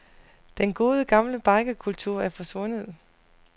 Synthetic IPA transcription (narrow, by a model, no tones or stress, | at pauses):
d̥enɡ̥o̝ːð̞ˠəɡ̥ɑ̈mləb̥ɑ̈ɪɡ̥əkʰult͡sʰuɐ̰æɐfɒ̽sʋɔ̽nəð̞̩ˠ